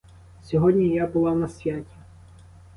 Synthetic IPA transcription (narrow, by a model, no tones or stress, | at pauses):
sʲɔɦɔdʲnʲijabʊlˠɑnɐsʲʋʲatʲi̥